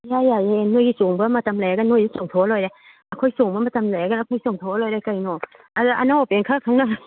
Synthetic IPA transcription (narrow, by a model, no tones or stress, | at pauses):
jajajenojisoŋbɐmɐtamlajaɡanojisoŋtʰolojɾa | ɐkʰojsoŋbɐmɐtamlajaɡaakʰojsoŋtʰolojɾakajno | adaʔanawpeŋkʰakʰaŋna